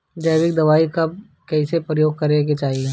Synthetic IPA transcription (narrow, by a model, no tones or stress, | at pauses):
d͡ʒɐːbɪk̚d̪ɐʋaːikɐb | kɛːsepɾəjoːɡ̚kɐɾeɡet͡ʃaːɦie